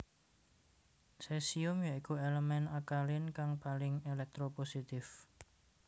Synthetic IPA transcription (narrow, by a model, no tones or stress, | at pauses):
sesiʊmjaʔikueləmɛnakalɪnkaŋpalɪŋelɛk̚t̪ɾoposit̪ɪf